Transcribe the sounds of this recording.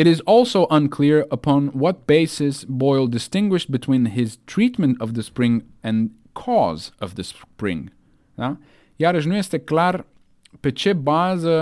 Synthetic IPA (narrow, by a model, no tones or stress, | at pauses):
ɨɾɨzɔlˠsoʊʔʌ̃nkʰl̥ɪɹəpʰɑ̃nwʌt̚b̥eɪsɨsbɔɪlˠdɨstɪ̃ŋɡwɨʃb̥ɨtʰw̥ĩnɪz̥tʰɹ̥it̚mɨ̃ntʌvðɨspɹɪ̃ŋ | ɨ̃n | kʰɔzʌvðɨspɹɪ̰̃ŋ | a | jaɾɨʒnuɛstɨklaɾ | pɨt͡ʃɛbazə